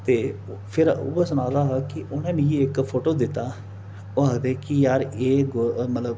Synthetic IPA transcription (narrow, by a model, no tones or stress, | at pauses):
t̪eː | pʰɪɾuːaːsʊnãːd̪aːɦaːkɪʊnẽːmĩːɪkpʰoːʈoːd̪ɪt̪ːaː | aːkd̪eːkɪjaːɾeːɡomət̪ləb